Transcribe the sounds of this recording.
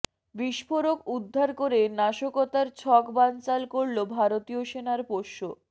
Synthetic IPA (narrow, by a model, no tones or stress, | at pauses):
biʃfʰoɾokud̪ʱːaɾkoɾenaʃokot̪aɾt͡ɕʰɔkbant͡ɕalkoɽlobʱaɾot̪ioʃenaɾpoʃːo